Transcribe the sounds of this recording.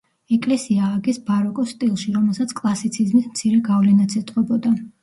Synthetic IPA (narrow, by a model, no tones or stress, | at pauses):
ɛkʼlɛsiaːɡɛsbaɾɔkʼɔst̪ʼilˠʃiɾɔmɛlˠsat̪sʰkʼlˠasit̪sʰizmismt̪sʰiɾɛɡavlɛnat̪sʰɛt̪ʼqʼɔbɔd̪a